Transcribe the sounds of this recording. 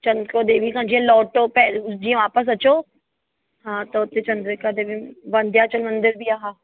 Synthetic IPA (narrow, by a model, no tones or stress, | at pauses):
t͡ʃɐnd̪kod̪eːʋikãːd͡ʒiãlɔːʈopɛd͡ʒiãʋaːpəs̬ɐt͡ʃoː | ɦãːt̪oʊt̪ːẽt͡ʃɐ̃nd̪ɾəkad̪eːʋiʋɐ̃nd̪jaːt͡ʃəlmɐ̃nd̪ɪɾbʱiːaːɦaː